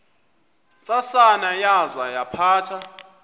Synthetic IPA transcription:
t͡sʼasanajazajapʰaːtʰa

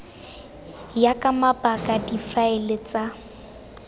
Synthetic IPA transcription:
jakʼamapʼakʼadifaɪlet͡sʼa

